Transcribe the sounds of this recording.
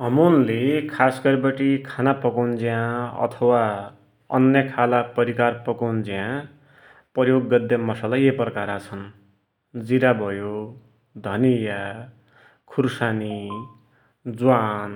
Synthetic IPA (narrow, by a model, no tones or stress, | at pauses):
ɦʌmunlekʰasɡʌɾbʌʈikʰanapʌkawnd͡ziãʌ̰t̪ʰʌwa | ʌ̰njʌkʰalapʌɾikarpʌkawnd͡ziã | pʌjoɡːʌd̪jʌmʌsalajeprʌkaɾat͡sʰʌn | d͡ziɾabʱʌjo | d̪ʱʌnija | kʰuɾsani | d͡zwan